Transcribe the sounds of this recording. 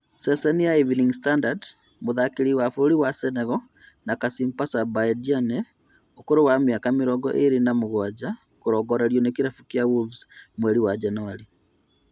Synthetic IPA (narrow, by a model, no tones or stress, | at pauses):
sɛsɛnijaivniŋstandad | moðakiɾiwafoɾiwasɛnɛɣɔ | nakasimpasabadianɛ | okoɾowamjakamiɾɔɡɔ̰ʔeɾinamoɣwad͡ʒa | koɾɔɡɔɾeɾjɔnekiɾafukjawulvsmwɛɾiwad͡ʒɛnuwaɾi